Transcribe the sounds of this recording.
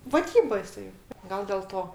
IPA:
ʋɐˈdʲiːbɐ jɪˈsɐɪ ˈɡɐlˠ dʲɛlˠ ˈtoː

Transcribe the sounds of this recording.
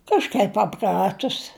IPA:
ˈkɑːʃkɐɪp pɐˈprɑːtʊs

